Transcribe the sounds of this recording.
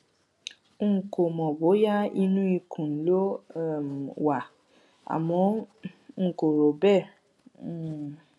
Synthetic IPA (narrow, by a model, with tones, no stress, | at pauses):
ŋ̩˦˨ko˨mɔ̃˨bo˨˦ja˦i˧nũ˦i˧kʰũ˨n̩˨˦lo˦˨m˨wa˨ | a̰˨mɔ̃˧˦˨ | ko˨ɾo˨bɛ˦˨˦